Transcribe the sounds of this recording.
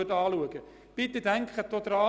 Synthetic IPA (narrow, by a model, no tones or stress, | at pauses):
ərtɑːluəɡə | b̥ɪt̪ədæŋkχətot̪rɑː